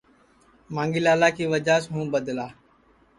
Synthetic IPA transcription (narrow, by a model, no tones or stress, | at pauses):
mãːŋɡɪlaːlaːkiːʋəd͡ʒaːsɦũːbəd̪laː